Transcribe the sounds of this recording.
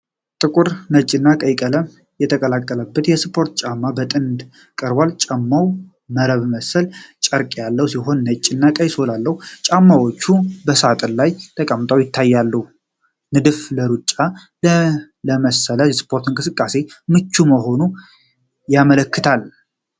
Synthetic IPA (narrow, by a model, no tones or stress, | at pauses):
t̪ʼɨkʼuɾnət͡ʃʼːɪnːakʼəjkʼələ | jɛt̪ʰəkʼəlakʼːələbːət̪jɛspʰo̞ɾt̪t͡ʃʼamːabət̪ʼɨnd̪ | kʼəɾbalt͡ʃʼamːaw | məɾəβməsəlt͡ʃʼəɾkʼjalːəwusiɦo̞nːət͡ʃʼːɪnːakʼəjsolalːəhut͡ʃʼamːawot͡ʃːubəsat̪ʼɨnlajt̪ʰəkʼəmt̪ʼəwjɪt̪ʰːajːalːəhu | nɨd̪ɨfləɾut͡ʃʼːa | l | ləməsələjɛspʰo̞ɾt̪ʰɨnŋkʼɨsɨkʼːase̞mɨt͡ʃːuməɦo̞nu | jamələkːɨt̪ʰal